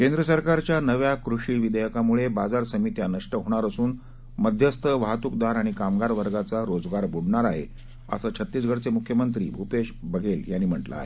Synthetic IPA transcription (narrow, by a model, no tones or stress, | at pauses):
kend̪ɾəsəɾkaɾt͡ɕjanəʋjakɾuʂiːʋid̪əjəkamuɭebad͡zaɾsəmit̪janəʂʈəɦoɽ̃aɾəsuːn | məd̪ʱjəst̪ʰəʋaɦt̪uk̚d̪aɾaɽ̃ikamɡaɾʋəɾɡat͡saɾod͡zɡaɾbʱuɽɳaɾaɦḛ | ə̰sət͡ɕʰət̪ːiːst͡sɡʱəɽt͡semukʰjəmənt̪̬ɾḭːbʱupeɕbəɡeljanːiːm̤əʈla̰ːɦe